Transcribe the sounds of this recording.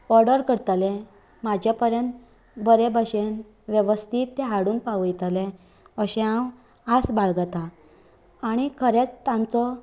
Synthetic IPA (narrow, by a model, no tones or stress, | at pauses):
ɔɾɖəɾkəɽt̪alẽ | mad͡ʑʱjapəɾjənt̪ | bəɾebaɕen | ʋjeʋəst̪ʰiːt̪ːeɦaɽuːnpaʋjt̪ale | əɕẽɦãw | asbaɭɡat̪ã | aɽ̃ikʰəɾet͡st̪ãnt͡sɔ